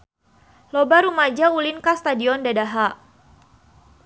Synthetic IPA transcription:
lɔbaɾumad͡ʒaulinkast̪adiɔndadaɦa

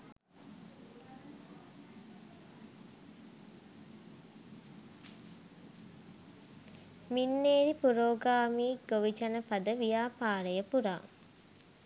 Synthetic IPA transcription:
minːeːɾipuɾoːɡaːmiːɡoʋit͡ʃɐnəpad̪əʋijaːpaːɾəjəpuɾa̰ː

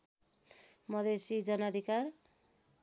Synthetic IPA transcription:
mʌd̪esid͡zʌnʌd̪ʱikar

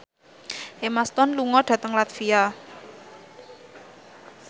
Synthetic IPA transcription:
ʔemast̪ɔnluŋɔɖ̥ä̤t̪əŋlat̪fia

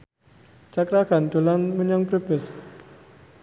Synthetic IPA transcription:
t͡ʃakɾaɡand̪olanməɲɔŋpɾəbəs

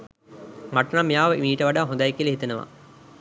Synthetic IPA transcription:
maʈɐnamːijaːʋəʔiʋiːʈəʋaɖaːɦõnd̪ajekiəlɐɦit̪ɐnəʋa̰

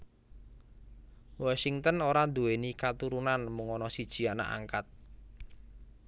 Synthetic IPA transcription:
wasiŋt̪ənoɾad̪uwenikat̪uɾunanmuŋɔnɔsid̥ʒ̥i̤ana̰ʔa̰ŋkat̪̚

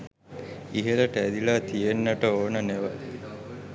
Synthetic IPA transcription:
iɦeləʈəæd̪ilat̪ijenːəʈəoːnəneʋə

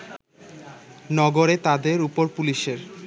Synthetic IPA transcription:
nɔɡoɾet̪ad̪eɾupoɾpuliʃeɾ

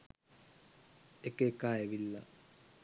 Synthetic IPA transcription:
ekəekaːeʋilːa̰

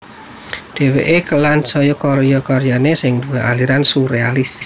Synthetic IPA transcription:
d̪̥ɛ̤weʔekəlansɔjɔkɔɾjɔkɔɾjanesɪŋd̪uweʔaliɾansuɾealis

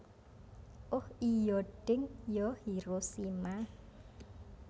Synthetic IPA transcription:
ʔʊhijɔɖ̥ɪŋjɔhiɾosima

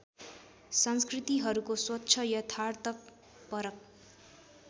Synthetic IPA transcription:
sʌnskrit̪iɦʌɾukoswʌtːʰʌjʌt̪ʰart̪ʌk̚ | pʌɾʌk̚

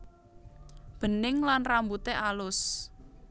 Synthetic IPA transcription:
b̥ə̤nɪŋlanrambut̪eʔalʊs

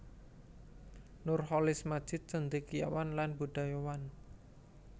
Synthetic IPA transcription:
nʊrɦɔlɪsmad̥d͡ʒ̥ɪt̪̚t͡ʃənd̪ikija̰wanlanbuɖ̥ajowan

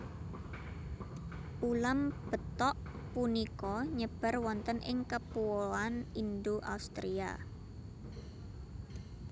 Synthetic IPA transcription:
ʔulamb̥ə̤t̪ɔʔpunikɔɲəb̥a̤rwɔnt̪ənʔɪŋkəpuoanind̪oʔa̰ust̪ɾia̰

